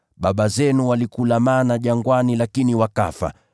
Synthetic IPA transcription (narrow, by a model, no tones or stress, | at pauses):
ɓaɓazɛnuwalikulamanaʄaŋɡwanilakiniwaka̰fa̰